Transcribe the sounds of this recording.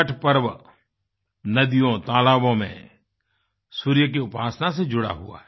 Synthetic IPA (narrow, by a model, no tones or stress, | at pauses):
əʈʰpɐɾʋ | nɐd̪ijõt̪aːlaːbõmḛ̃ | suːɾjək̬iʊpaːsnased͡ʒʊɽa̰ɦṵa̰ɦɛ